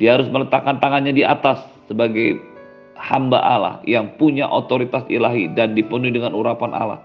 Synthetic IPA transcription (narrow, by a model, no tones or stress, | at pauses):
diaɦaɾʊs̬mələt̪akːant̪aŋanɲadia̰t̪asːəbaɡaj | hamba̰ʔala̰hjaŋpuɲa̰ʔot̪oɾit̪asḭlaɦidandipənuhidəŋanuɾapana̰la̰h